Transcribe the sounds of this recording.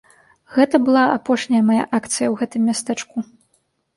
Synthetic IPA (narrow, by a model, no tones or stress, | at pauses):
ɣɛt̪ɐbɨlˠaapɔʂnʲɐjɐmaja̰ʔakt̪sɨjɐwɣɛt̪ɨmːʲast̪ɛt͡ʂku